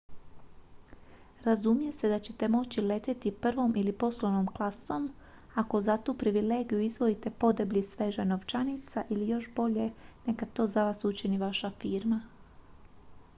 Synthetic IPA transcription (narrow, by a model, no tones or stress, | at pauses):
ɾazumije̞se̞d̪at͡ɕe̞t̪e̞mo̞t͡ɕile̞t̪et̪ipr̩ʋo̞mʔilipo̞slˠoʋnomklˠaso̞m | ako̞zat̪uːpɾiʋile̞ːɡijuizʋo̞it̪e̞po̞d̪ebʎisʋe̞ʒano̞ʋt͡ʃanit̪saʔilijo̞ʃbo̞ʎe̞ne̞kat̪o̞ːzaʋaːsut͡ɕiniʋaʃafiːɾma